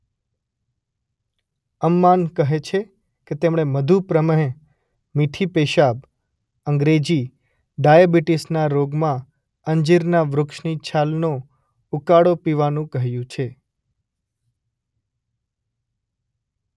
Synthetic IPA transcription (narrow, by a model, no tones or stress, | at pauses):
əmːankəɦet͡ʃʰe | ket̪emɳ̃eməd̪ʱupɾəməɦẽ | miʈʰipeʃab̚ | əŋɡɾed͡ʒi | ɖajabiʈisnaɾoɡmã | əɲd͡ʒiɾnaʋɾʊkʃnit͡ʃʰalno | ukaɽopiʋanũkəɦjũt͡ʃʰe